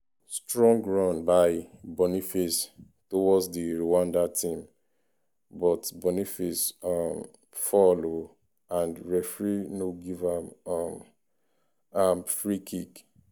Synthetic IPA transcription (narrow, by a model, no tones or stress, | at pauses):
stɹɔ̃ŋɡɹɔ̃nbaɪbɔnifes | towɔsdiɹowãndatʰĩm | bɔtbɔnifisɔm | fɔlo | ãndɹɛfɹinoɡivãmɔm | amfɹikʰik